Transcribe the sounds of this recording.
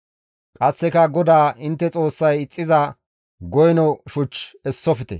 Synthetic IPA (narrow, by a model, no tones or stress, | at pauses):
kʼɐsːɛkɐɡɔd̪aːʔɪnt̪ːɛt͡sʼo̞ːsːɐjɪt͡sʼːɪzɐ | ɡɔjnɔʃʊt͡ʃːɛsːɔfɪt̪ɛ̰